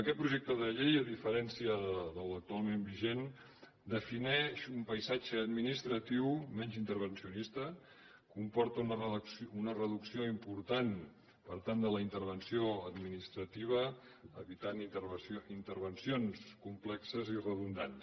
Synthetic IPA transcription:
əkɛt̪̚pɾuʒek̚t̪əðəʎejəðifəɾɛnsiəðələk̚t̪ualˠmembiʒen | d̪əfinɛʃumpəjzad͡ʒəːd̪minist̪ɾət̪iwmɛnzint̪əɾβ̞ənsiunist̪ə | kumpɔɾt̪ənrunərəðuksioimpuɾt̪an | pəɾt̪and̪ələint̪əɾβənsioəd̪minist̪ɾət̪iβ̞ə | əβit̪aniint̪əɾβənsionskumplɛksəzirəðund̪ans

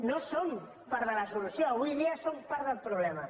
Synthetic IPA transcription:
nosom | paɾðəlasulusjoaβujðiasompaɾðəlpɾuβlɛma

